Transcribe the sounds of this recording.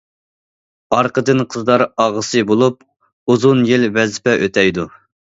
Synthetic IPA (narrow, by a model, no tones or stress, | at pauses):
ɑɾqʰəd̪ɨnqʰəzd̪ɑɾɑʁəsɨbolˠup̚ | uzunjilvɛzɪpɛʔøt̪ʰɛjd̪u